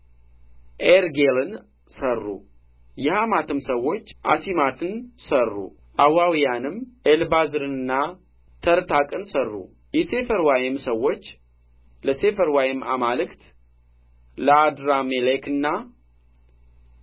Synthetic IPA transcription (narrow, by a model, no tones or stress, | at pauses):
ʔeɾɡelɨn | sərːṵ | jɛhamat̪ʰɨmsəwːo̞t͡ʃːʔa̰simat̪ʰɨnsərːṵ | ʔawawijanɨmʔelbazɨɾɨnɨnːa | t̪ʰəɾt̪ʰakʼɨnsərːṵ | jɛse̞fəɾwajɪmsəwːo̞t͡ʃː | ləse̞fəɾwajɪmʔa̰malɨkt̪ | ləad̪ɾamelekɨnːa